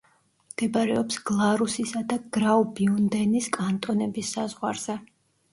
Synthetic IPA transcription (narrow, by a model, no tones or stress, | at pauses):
md̪̥ɛbaɾɛɔpsɡ̥lˠaɾusisad̪aɡ̥ɾaubiund̪ɛniskʼant̪ʼɔnɛbisːazʁwaɾz̥ɛ